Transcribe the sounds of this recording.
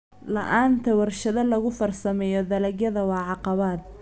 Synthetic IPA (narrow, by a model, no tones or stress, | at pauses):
lɐ̰ʔaːnt̪ʰɐwɑrʃɐðɐlɐɣʊfɐrsɐmɛːjɔd̪ɐlɐɣjɐðɐwɑːʕɑqɑβaːd̪̚